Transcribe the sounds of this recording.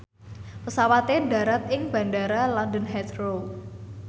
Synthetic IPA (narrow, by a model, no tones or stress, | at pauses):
pəsawat̪eɳɖa̤ɾat̪ɪŋb̥a̤ɳɖaɾalɔndənɦɛt̪ɾow